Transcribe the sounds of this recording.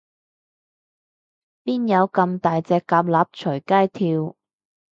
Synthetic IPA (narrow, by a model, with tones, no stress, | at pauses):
piː˥njɐ˨˧wkɐ˧mt̪aː˨jt͡sɛː˧kːaː˧p̬̚laː˨p̚t͡ʃʰɵ˨˩kaː˥jt̪ʰiː˧w